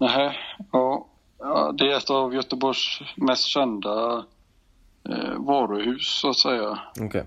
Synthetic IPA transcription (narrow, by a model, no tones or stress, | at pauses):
næɦɛɑː | d̪ɛɾɛt̪ːɑvjœt̪əbɔʂmɛst̪ɕɛnd̪a | vɑːɾɵhʉ̟ːsːʊat̪sɛjːaokʰe